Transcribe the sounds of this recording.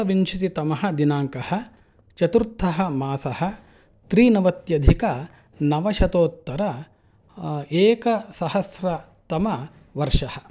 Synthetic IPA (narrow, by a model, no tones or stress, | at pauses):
ɐʋint͡ʃʰit̪it̪ɐmɐɦɐ̆d̪inaːŋkɐhɐ̆ | t͡ʃɐt̪uɾt̪ʰːɐɦɐmaːsɐhɐ̆ | t̪ɾiːnɐʋɐt̪jɐd̪ʱikɐ | nɐʋɐʃɐt̪oːt̪ːɐɾɐ | eːkɐsɐhɐsɾɐ | t̪ɐmɐ | ʋɐɾʂɐhɐ